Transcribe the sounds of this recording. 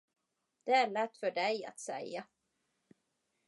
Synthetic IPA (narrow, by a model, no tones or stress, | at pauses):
d̪̥ɛæɭɛt̪ːfœɖɛja̰t̪sɛ̰ja